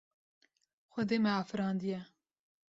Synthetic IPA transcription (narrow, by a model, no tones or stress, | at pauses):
xʷɛd̪eːmɛɑːfɨɾɑːnd̪ijɛ